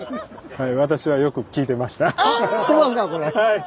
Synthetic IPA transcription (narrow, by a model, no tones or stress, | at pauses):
haiβat̪aɕiβajo̞kɯ̟kʲiːt̪e̞maɕi̥t̪ai̥t̪ːemasɨkakoɾehai